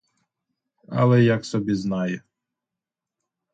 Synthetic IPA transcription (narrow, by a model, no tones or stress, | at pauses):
ɐ̰lˠɛjɐksɔbʲiznɑjɛ